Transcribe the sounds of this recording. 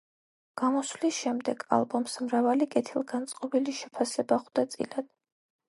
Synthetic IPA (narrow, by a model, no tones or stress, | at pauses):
ɡ̥amɔslisʃɛmd̪ɛɡa̰lˠbɔmsmɾavalikʼɛt̪ʰilˠɡant̪sʼqʼɔbiliʃɛpʰasɛbaχwd̪at̪sʼḭlad̪̥